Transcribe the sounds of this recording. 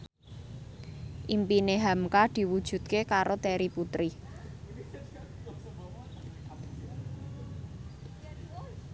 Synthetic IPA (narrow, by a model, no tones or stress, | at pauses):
ʔimpineɦamkad̪̥i̤wud̥ʒ̥ṳt̪̚kekaɾot̪ɛɾiput̪ɾi